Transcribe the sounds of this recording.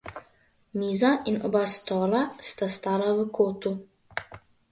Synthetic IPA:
miːzaʔinɔbast̪ɔːlast̪ast̪aːlaʋəkʰoːt̪u

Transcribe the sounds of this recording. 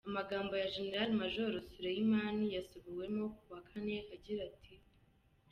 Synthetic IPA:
amaɡaːmbo̞jaʒene̞ɾaɾimaʒo̞ɾosuɾejimaːnijasuβiwe̞mo̞kuwakʰane̞aɟiɾatʰi

